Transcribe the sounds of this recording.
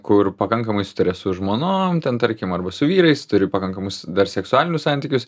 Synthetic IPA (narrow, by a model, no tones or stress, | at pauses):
kʊrpɐkɐŋkɐmɐɪsʊ̥t̪ɐɾʲɛsʊʒmoːnoːmt̪ʲɛnt̪ɐɾʲkʲɪmɐrbɐsʊʋʲiːɾɐɪst̪ʊɾʲɪpɐkɐŋkɐmʊsd̪ɐrsʲɛksʊɑːlʲɪnʲʊssɑnʲt̪ʲiːkʲʊs